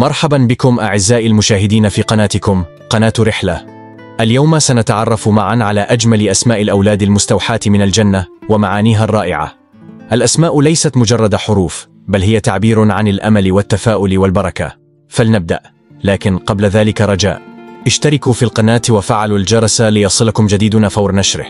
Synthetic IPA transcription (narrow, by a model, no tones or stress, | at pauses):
mɑɾˤħabanbɪkʊmʔaʕɪzːaːʔalmʊʃaːɦɪd̪iːnafiːqɑnaːt̪ɪkʊm | qɑnaːt̪ɾɪħla | ʔaljawmasanat̪aʕɑrˤːɑfmaʕanʕalaːʔad͡ʒmalɪʔasmaːʔɪlʔawlaːd̪almʊst̪awħaːt̪mɪnald͡ʒanːawamaʕaːniːɦarˤːɑːʔɪʕa̰ | ʔalʔasmaːʔʊlajsat̪mʊd͡ʒɑrˤːɑd̪aħʊɾuːf | balhɪjat̪aʕbiːɾʕanalʔa̰malɪwat̪ːafaːʔʊlwalbɑɾˤɑka̰ | falnab̚d̪a̰ʔ | laːkɪnqɑblaðaːlɪkaɾˤɑd͡ʒa̰ːʔʔɪʃt̪ɑɾɪkuːfiːlqɑnaːt̪wafaʕaluld͡ʒɑɾˤɑsalɪjɑsˤɨlakʊmd͡ʒad̪iːd̪ʊnaːfɑwɾnaʃɾɪ̰h